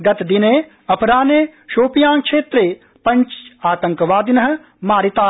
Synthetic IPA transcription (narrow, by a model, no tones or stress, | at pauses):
ɡɐt̪d̪ineː | ɐpʰɾaːneːʃoːpjãːŋkʃeːt̪ɾeː | pɐ̃ɲt͡ʃaːt̪ɐ̃ŋkʋaːd̪inɐɦɐ̆ | maːɾit̪aː